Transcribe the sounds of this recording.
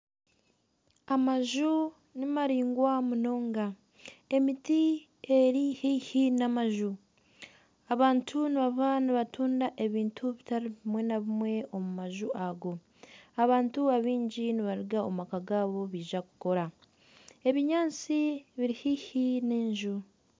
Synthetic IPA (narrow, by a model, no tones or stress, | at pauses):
amaʒu | nimaɾiːŋɡwamuno̞ːŋɡa | e̞miti | e̞ɾihihinamaʒu | aβaːntʰuniβaβaniβatuːndaʔe̞βiːntʰuβitaɾiβimwe̞naβimwe̞o̞mumaʒuʔaɡo̞ | aβaːntuaβiːɲɟiniβaɾiɡaomakaɡaːβo̞βiːʒakuko̞ɾa | e̞βiɲaːnt͡siβiɾihihineːɲʒu